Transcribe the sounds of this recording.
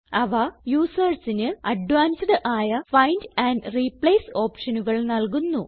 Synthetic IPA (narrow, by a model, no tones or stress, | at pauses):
ɐʋɐjuːsɐrsinɨɐɖʋaːnsɐðɨʔaːjɐfɐjndɐːndripɭejso̞ːpʂɐnuɣɐɭnɐlkunːu